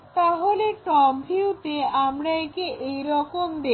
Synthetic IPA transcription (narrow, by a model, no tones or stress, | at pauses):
t̪aɦoleʈɔmbʱiut̪eamɾaekeʔejɾɔkomd̪e